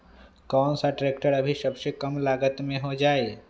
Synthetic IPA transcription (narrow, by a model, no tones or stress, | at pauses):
kɔːnsaʈɾeːkʈəɾəbʱisəbsekəmlaːɡət̪mẽɦod͡ʒaːe